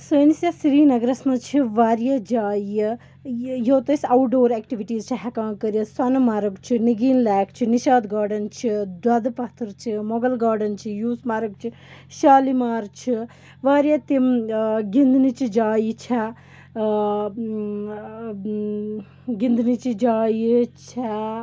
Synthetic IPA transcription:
səːnisjɐsiɾiːnɐɡɐɾɐsmɐt͡ʃʰiʋaːɾjɐd͡ʒaːjjɐ | joːt̪ɐsɐwʈɖoːɾeːkʈiʋiʈiːzt͡ʃʰɐɦɐkãːŋkɐɾjɐswɐnɐmaːɾɐɡt͡ʃʰiniɡiːnlaːkt͡ʃʰiniʃaːd̪ɡaːɖɐnt͡ʃʰid̪wɐd̪ɐpɐt̪ʰɐɾt͡ʃʰimɔɡɐlɡaːɖɐnt͡ʃʰijuːsmɐɾɐɡ̚t͡ʃʰi | ʃaːlimaːɾt͡ʃʰi | ʋaːɾjɐt̪imɡind̪nit͡ʃid͡ʒaːjit͡ʃʰɛ | ɡind̪nit͡ʃid͡ʒaːjit͡ʃʰa

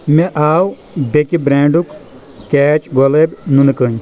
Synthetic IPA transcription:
meʔaːw | bekibɾeːɳɖukː | ɛːt͡ʃɡolebnunɨkəɲ

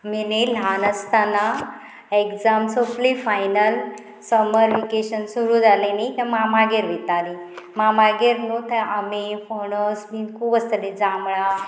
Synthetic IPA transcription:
milelɦanəst̪ana | eɡd͡zamsoplifajnəl | səməɾʋikeɕənsuɾuːd͡zalenik̪ãmamaɡeɾʋit̪alimamaɡeɾnut̪əamifoɳosminkʰuːbəst̪əled͡zamɭa

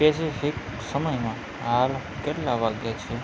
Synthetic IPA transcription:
pesipʰik | sʌmʌjma | ɦal | kelːabaɡjat͡ʃʰi

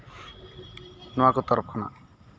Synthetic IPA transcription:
nɔakot̪ɔɾɔp̚ʰkʰɔna̰

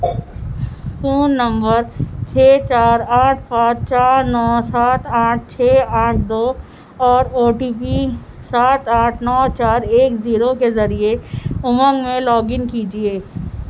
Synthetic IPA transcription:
skuːnːɐ̃mbəɾt͡ʃʰeːt͡ʃaːɾaːʈ̚ʰpãːt͡ʃt͡ʃaːɾnɔːsaːt̪ãːʈ̚ʰt͡ʃʰeːaːʈʰd̪oː | ɔːɾoːʈiːpi | saːʈ̪aːʈʰnɔːt͡ʃaːɾeːkziːɾokezɐɾieʊmə̃ŋɡmẽlɔːɡɪnkiːd͡ʒieː

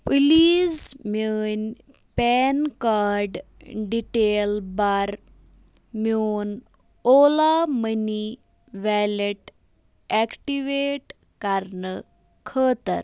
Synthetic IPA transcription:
pilid͡zmən | pɛnkaɾɖɖiʈelbaɾ | mon | olaməni | ʋɛleʈ | ɛkʈiʋeʈ | kaɾnə | kʰəːt̪ə̰ɾ

